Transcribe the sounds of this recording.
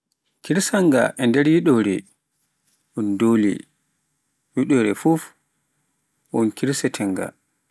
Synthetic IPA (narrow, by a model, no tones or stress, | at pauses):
kiɾsaŋɡa̰ʔɛndɛɾjiɗɔɾɛ | ʔundoːlḭ | wiɗɔɾɛfuf | ɔnkʰiɾsɛtʰɛŋɡa̰